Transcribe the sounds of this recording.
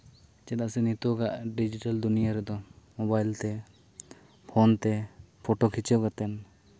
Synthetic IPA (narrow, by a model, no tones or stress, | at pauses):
t͡ʃɛd̪aʔsɛnit̪oɡaʔɖid͡ʒiʈald̪unijaɾɛd̪ɔmobajlt̪ɛ | pʰont̪ɛpʰoʈokʰit͡ʃewɡat̪ɛn